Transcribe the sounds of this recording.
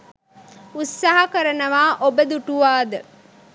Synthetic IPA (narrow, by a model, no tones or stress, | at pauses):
ussːaɦɐkɐɾɐnɐʋaːʔobəd̪uʈuʋaːd̪ə